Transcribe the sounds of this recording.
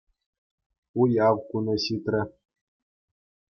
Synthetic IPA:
ujɑwkunɤ̆ɕit̪rʲɘ̆

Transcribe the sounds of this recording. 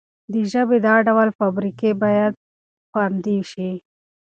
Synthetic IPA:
d̪əʒəbed̪ɑɖawalfabɾikebɑjad̪̚ | pɑɾnd̪iwʃi

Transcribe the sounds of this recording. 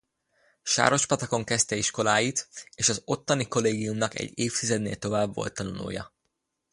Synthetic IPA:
ʃa̰ːɾo̞ʃpɒt̪ɒko̞ŋkɛst̪ɛiʃko̞laːjit̪eːʃɒzo̞t̪ːɒniko̞leːɡijumnɒkɛ̰ɟːeːft̪izɛd̪nḛːlt̪o̞vaːbvo̞̰lt̪ːɒnonṵːjɒ̰

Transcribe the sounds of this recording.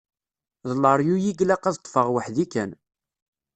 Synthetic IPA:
ðˤlːəɾˤjujiɡlæqæðət̪ˤːfəʁwəħðikæn

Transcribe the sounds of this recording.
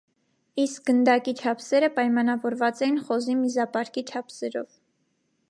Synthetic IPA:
isk̚ɡənd̪ɑkit͡ʃʰɑpʰsɛɾəpɑjmɑnɑvɔɾvɑt͡sɛjinχɔzimizɑpɑɾkit͡ʃʰɑpʰsɛɾɔ̰v

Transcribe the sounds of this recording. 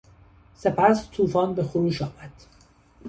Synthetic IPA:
se̞pʰæst̪ʰuːfɒːnbe̞xoɾuːʃɒːmæd̪̥

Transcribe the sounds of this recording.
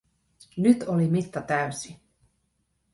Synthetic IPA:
nyt̪olimit̪ːɑt̪æysi

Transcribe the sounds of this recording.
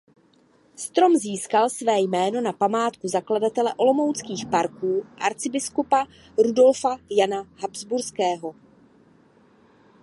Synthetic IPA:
st̪ɾo̞mziːskalsvɛːjmɛːno̞napamaːt̪kuzakladat̪ɛlɛʔo̞lo̞mowt͡skiːxpaɾkuːʔa̰ɾt͡sɪbɪskupa | ɾudo̞lfajanaɦabzbuɾskɛːɦo̞

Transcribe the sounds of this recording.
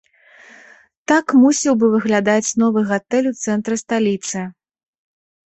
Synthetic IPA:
t̪akmusʲiwbɨvɨɣlʲad̪at͡sʲnɔvɨɣat̪ɛlʲut̪sɛnt̪ɾɨst̪alʲit̪sɨ

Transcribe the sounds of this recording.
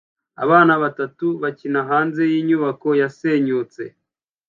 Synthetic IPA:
a̰βaːnaβatatuβacinaɦaːnze̞jiːɲuβako̞jaseɲuːt͡se̞̰

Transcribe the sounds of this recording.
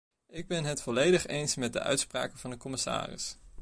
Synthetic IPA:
ɪɡ̚bɛnɦətfɔlejdəχejnsmɛt̚də̰ʔœ̰ɥtspra̰ːkəvɑndəkɔmɪsa̰ːrɪ̰s

